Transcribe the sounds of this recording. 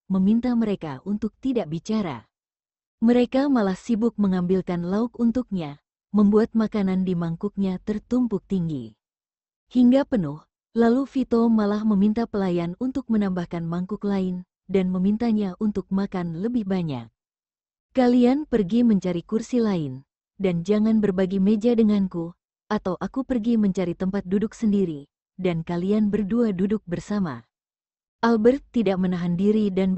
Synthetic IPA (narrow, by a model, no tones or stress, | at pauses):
məmint̪aməɾekaʔunt̪ʊk̚t̪idaʔbit͡ʃaɾa̰ | məɾekamalahsibʊk̚məŋambilkanlauk̚unt̪uk̚ɲa | məmbuat̪̚makanandimaŋkʊk̚ɲat̪ərt̪umpʊk̚t̪iŋɡi | hiŋɡapənʊh | lalufit̪omalahməmint̪apəlajanunt̪ʊk̚mənambahkanmaŋkʊklaɪn | danməmint̪aɲaʔunt̪ʊk̚makanləbɪhbaɲa̰k̚ | kalianpərɡiməɲt͡ʃaɾikursilaɪn | dand͡ʒaŋanbərbaɡimed͡ʒadəŋanku | ʔat̪awʔakupərɡiməɲt͡ʃaɾit̪əmpat̪̚dudʊksəndiɾi | dankalianbərduadudʊk̚bərsama̰ | ʔalbərt̪ːidak̚mənaɦandiɾidan